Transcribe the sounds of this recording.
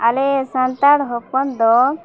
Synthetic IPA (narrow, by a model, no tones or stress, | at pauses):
alesant̪aɽɦɔpɔnd̪ɔ